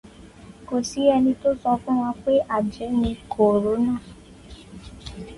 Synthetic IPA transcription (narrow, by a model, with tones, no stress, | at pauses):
ko˨si˨˦ɛ˧nĩ˧to˦sɔ˧fũ˦w̃ɔ̃˧k͡pe˦ʔa˦˨d͡ʒɛ˨˦nĩ˧kʰo˨ɾo˨˦nãː˦˨